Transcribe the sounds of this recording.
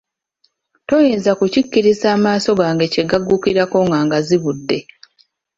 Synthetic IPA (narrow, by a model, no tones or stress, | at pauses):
to̞jezakucikːiɾizaːmaːso̞ɡaːŋɡe̞ce̞ɡaɡːukiɾako̞ŋɡaːŋɡaziβudːe̞